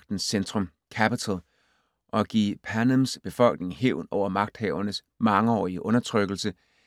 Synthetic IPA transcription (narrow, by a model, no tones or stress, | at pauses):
ɡ̥̚d̥n̩send̥ʁɔm | kʰæpit͡sʰælˠ | ʔɒ̽ɡ̥ḭːpʰænəmsb̥e̝fɒ̽l̰ɡ̥̚ne̝ŋheʊnɒʊ̰ɐmɑ̈ɡ̥̚d̥hɛʊɐnəs | mɑ̈ŋəɒ̰ːiəʔɔ̽nɐt͡sʰʁœɡ̥l̩sə